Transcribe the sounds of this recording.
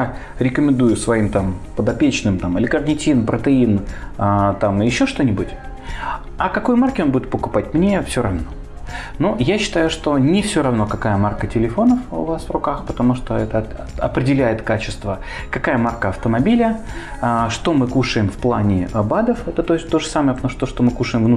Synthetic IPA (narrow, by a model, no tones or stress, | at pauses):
aɾʲɪkəmʲɪnd̪ujʊsvɐimt̪ampəd̪ɐpʲet͡ɕnɨmt̪amɪlʲɪkrnʲɪtʲinpɾət̪ɨin | t̪amɨjɪɕːo̞ʂt̪o̞nʲɪbʊtʲ | ɐkɐko̞jmarkʲɪo̞nbudʲɪt̪̚pəkʊpat̚ʲmnʲefsʲo̞ɾɐvno̞ | nujaɕːɪ̥t̪ajʊʂt̪o̞nʲɪfsʲo̞ɾɐvno̞kɐkajəmarkətʲɪlʲɪfo̞nəfʊ̰vasvrʊkaxpət̪ɐmuʂt̪oɛt̪ə | ɐ̰pɾʲɪdʲɪlʲæjɪt̪kat͡ɕɪ̥st̪və | kɐkajəmarkəɐft̪əmɐbʲilʲə | ʂt̪o̞mɨkuʂɨjɪmfplˠanʲɪbad̪əfɛt̪ət̪ot̪o̞ʐəsaməjəpət̪ɐmuʂt̪oʂt̪omɨkuʂɨjɪmvnu